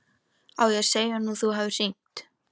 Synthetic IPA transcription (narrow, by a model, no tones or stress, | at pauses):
awjɛseːjanuθuɦaːvɪr̥iŋ̥t̪